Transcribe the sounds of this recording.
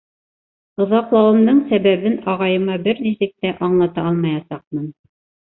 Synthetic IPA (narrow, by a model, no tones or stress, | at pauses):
ŏðɑqlˠɑwɤ̆md̪ɤɴsæβæβɘnɑʁɑjɤ̆mɑbɘɾnisɘk̚t̪æʔɑɴlˠɑt̪ɑɑlˠmɑjɑsɑq̚mɤn